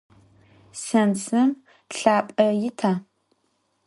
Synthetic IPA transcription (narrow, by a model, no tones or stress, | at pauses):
sɐnsɨm | ɬaːpʼɐjɪtʰaː